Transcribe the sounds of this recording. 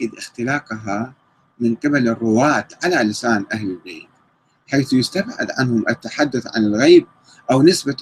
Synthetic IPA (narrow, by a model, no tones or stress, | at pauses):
ɪd̪ʔɪxt̪ɪlaːqɦa | mɪnqɨbalɪrˤːʊwaːt̪ʕalalɪsaːnʔahlɪlbeːt̪̚ | ħajθjɪst̪abʕɪ̰d̪ʕa̰nhʊmʔɪt̪ːaħad̪ːʊθʕa̰nɪlɣejb̚ | ʔawnɪsba